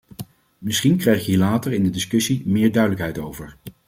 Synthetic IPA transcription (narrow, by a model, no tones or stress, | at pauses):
mɪsχinkrɛjχjəɦiːɹlaːtəɹɪndədɪskɵsimɪːɹdœɥdələkɦɛjtowvəɹ